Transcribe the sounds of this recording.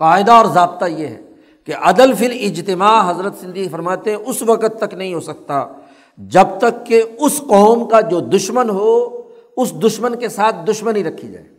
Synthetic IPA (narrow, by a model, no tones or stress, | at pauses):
faːɪd̪aɔːɾzaːb̚t̪ajeɦɛ̰ː | keʔɐd̪əlfɪlɪd͡ʒt̪ɪmaːɦɐzɾət̪sɪ̃nd̪ʱifɐɾmaːt̪eɦɛ̃ʊsʋɐqət̪ːɐknɐɦĩɦoːsɐk̚t̪a | d͡ʒɐb̚t̪ɐkːeʊsqɔːmkad͡ʒoːd̪ʊʃmənɦo | ʊsd̪ʊʃmənkesaːt̪̚ʰd̪ʊʃmənĩɾɐkʰːid͡ʒa̰ːeː